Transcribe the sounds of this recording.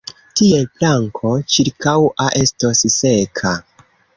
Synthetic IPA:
tie̞flaŋkʰo̞t͡ʃiɾkawaʔesto̞sse̞kʰa

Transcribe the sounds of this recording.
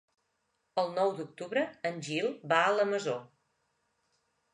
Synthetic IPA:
əlˠnɔwd̪uk̚t̪uβɾəːnʲʒilˠbaələməzo

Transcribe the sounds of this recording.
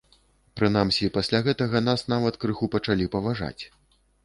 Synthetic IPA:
pɾɨn̪amsʲipasʲlʲaɣɛt̪ɐɣɐn̪asn̪avɐt̪kɾɨxupɐt͡ʂalʲipɐvaʐa̰t͡sʲ

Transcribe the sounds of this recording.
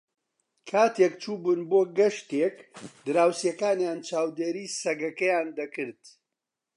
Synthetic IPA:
kʰaːt̪ʰeːkt͡ʃʰuːbunboːɡɐʃt̪ekd̪ɨɾaːwsjɐkaːnjaːnt͡ʃaːwd̪eːɾiːsɐɡɐkɐjaːnd̪ɐkɨɾd̪̥

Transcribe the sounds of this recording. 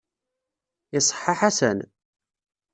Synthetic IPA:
ɪsˤħːɑħasə̰n

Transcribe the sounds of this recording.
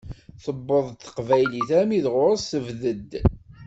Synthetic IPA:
θəbːəðˤt̪ːə̥qvæjliθæmiðʁʊɾəsθəvðəd̪

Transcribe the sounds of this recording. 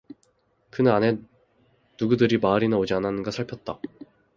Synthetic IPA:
kɯnɯnane̞ | nuɡudɯɾimaɾinɯnod͡ʑiananɯnɡasʰaɭpʰjʌt̚t͈a

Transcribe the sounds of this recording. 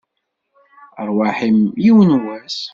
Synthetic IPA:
əɾˤwaħimjiwənwæs

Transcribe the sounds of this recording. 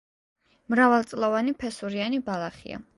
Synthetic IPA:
mɾavalˠt̪sʼlˠɔvanipʰɛsuɾianibalˠaχḭa̰

